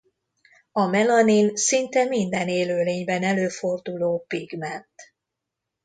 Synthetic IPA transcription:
ɒmɛlɒninsint̪ɛmind̪ɛneːløːleːɲbɛnɛløːfo̞rd̪uloːpiɡmɛnt̪

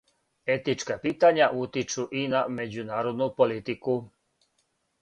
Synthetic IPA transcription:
ɛt̪it͡ʃkɛpiːt̪aɲɪaʔuːt̪it͡ʃuʔinamɛd͡zunaːɾɔd̪nuːpɔlit̪iku

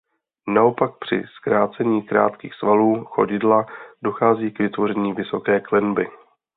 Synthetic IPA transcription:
nao̞pak̚pr̝̥ɪ̰skɾaːt͡sɛɲiːkɾa̰ːt̪kḭːxsvaluːxo̞ɟɪdlado̞xaːziːkvɪt̪vo̞ɾɛɲiːvɪso̞kɛːklɛnbɪ

